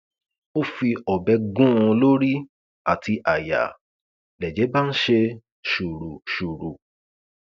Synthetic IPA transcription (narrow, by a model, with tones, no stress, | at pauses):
o˦fi˧ɔ˨bɛ˧ɡũ˦ɔ̃˧lo˦ɾi˦ | a˨tʰi˧ʔa˨ja̰˨ | lɛ˨d͡ʒɛ˨˦ba˦n̩˦ʃe˧ | ʃu˨ɾu˨ʃu˨ɾu˨